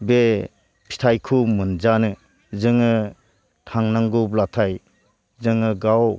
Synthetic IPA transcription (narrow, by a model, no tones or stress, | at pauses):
be | pʰi̥tʰajkʰumɯnd͡ʒanɯ | zɯŋɯ | tʰaŋnaŋɡublatʰaj | zɯŋɯɡaw